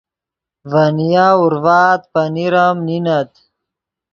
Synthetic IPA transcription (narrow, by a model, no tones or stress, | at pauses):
vanijaːuɾvaːt̪paniɾamninat̪